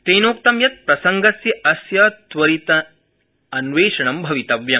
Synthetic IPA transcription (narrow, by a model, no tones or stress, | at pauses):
t̪eːnoːk̚t̪ɐmjɐt̪̚pɾɐsɐŋɡɐsjɐɐsjɐːt̪ʋɐɾit̪ɐ | ɐnʋeːʂɐɳɐmbʱɐʋit̪ɐʋjɐ